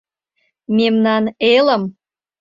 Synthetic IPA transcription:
memnɑnelə̆m

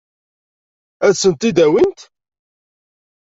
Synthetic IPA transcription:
æðsənt̪id̪æwint̪

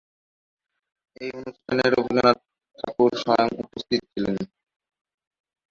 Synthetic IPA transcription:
ejonuʃʈʰaneɾobʱid͡ʑanaɾ | t̪ʰakuɾʃɔjoŋupost̪ʰit̪o̥t͡ɕʰilen

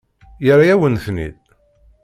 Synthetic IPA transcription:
jəɾajæwənθnḭd̪̚

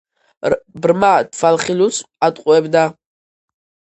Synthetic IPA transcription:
brmat̪ʰfalχilusʰʼ | at̪ʼqʼuɛbd̪a

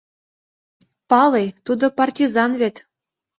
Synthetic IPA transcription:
pɑlejt̪ud̪ɤ̆pɑrtʲizɑnβet̪

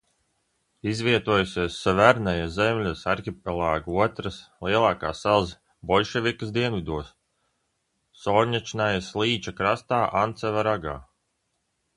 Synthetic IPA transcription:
izvʲiɛt̪uɔjusʲiɛsːavæɾnajazɛmʲlʲusaɾkʲip̚ɛlˠaːɡuɔt̪ɾaslˠiɛlˠaːkaːsɛlˠz | bɔlʲʃɛvʲikəsd̪iɛnvid̪uɔs | ɔɾɲat͡ʃinajaslˠiːt͡ʃakɾast̪aːʔant̪sɛvaɾaɡa̰ː

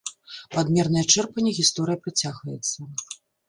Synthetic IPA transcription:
pad̪mʲɛrnɐjɐt͡ʂɛrpɐnʲːɛɣʲist̪ɔɾɨjɐpɾɨt͡sʲaɣvɐjɛt̪sːɐ

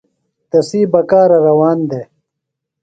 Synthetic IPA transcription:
t̪ɐsiːbɐkaːɾɐɾɐwaːnd̪eː

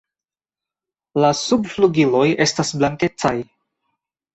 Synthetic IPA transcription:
lasubfluɡilo̞je̞stasblaŋke̞t͡saj

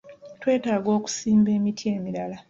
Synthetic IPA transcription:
twe̞ːtaːɡo̞ːku̥siːmbe̞ːmitʰie̞ːmiɾala

